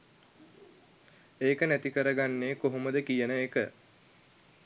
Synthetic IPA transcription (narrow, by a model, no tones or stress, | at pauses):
eːkənæt̪ikəɾəɡanːeːkoɦoməd̪əkijənəekə